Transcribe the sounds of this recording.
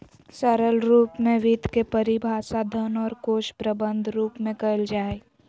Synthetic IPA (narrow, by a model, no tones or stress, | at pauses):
səɾəlɾuːpmẽʋid̪ʱkepəɾibʱaːsad̪ʱənɔːɾkoːʃpɾəbə̃nd̪ʱɾuːpmẽkɐəld͡ʒaːe